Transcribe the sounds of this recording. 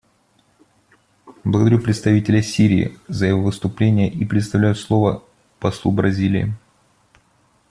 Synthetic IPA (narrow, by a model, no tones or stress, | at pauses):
blˠəɡəd̪ɐɾʲupɾʲɪt̪st̪ɐvʲitʲɪlʲəsʲiɾʲɪ̰ːzəjɪvovɨst̪ʊplʲenʲɪjəʔipɾʲɪt̪st̪ɐvlʲæjʊslˠo̞və | pɐslˠubɾɐzʲilʲɪ̰ɪ̰